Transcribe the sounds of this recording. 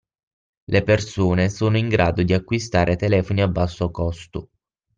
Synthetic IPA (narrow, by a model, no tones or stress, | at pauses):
lepersuːnesoːnoiŋɡɾaːd̪od̪iakːwist̪aːɾʔet̪elɛːfoniabːasːoakɔst̪ʊ